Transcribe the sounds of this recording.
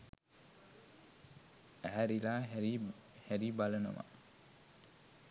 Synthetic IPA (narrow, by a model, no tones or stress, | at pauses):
æɦæɾilaːɾi | hæɾibaləno̰ma̰